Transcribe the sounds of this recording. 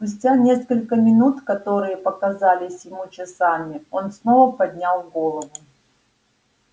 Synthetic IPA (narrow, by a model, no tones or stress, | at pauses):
spʊsʲtʲanʲe̞skəlʲkəmʲɪnut̪kɐt̪o̞ɾɨjəpəkɐzalʲɪsʲjɪmut͡ɕɪsamʲɪonsno̞vəpɐd̪ʲnʲalˠɡo̞lˠəvʊ